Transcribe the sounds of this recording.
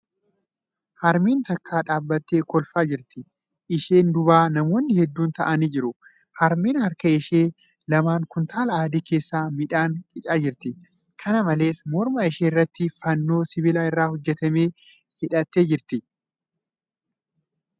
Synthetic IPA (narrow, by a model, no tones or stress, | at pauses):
hɐɾmiːnt̪ɐkːaːᶑaːbːɐt̪ːeːkɔlfaːd͡ʒɪɾt̪ɪ | ʔɪʃeːnd̪ʊbaːnɐmo̞ːnːɪhɛd̪ːuːnt̪ɐʔɐniːd͡ʒɪɾʊ | hɐɾmiːnhɐɾkɐɪʃeː | lɐmaːŋkʊnt̪ʰaːlɐaːd̪iːke̞ːsːaːmɪᶑaːŋkʼɪt͡ʃʼaːd͡ʒɪɾt̪ɪ | kʰɐnɐmɐle̞ːsmɔɾmaɪʃeːɪrːɐt̪ːɪfɐnːo̞ːsɪβɪlaːɪrːaːhɔd͡ʒːɛt̪ɐme̞ː | hɪᶑɐt̪ːeːd͡ʒɪɾt̪ɪ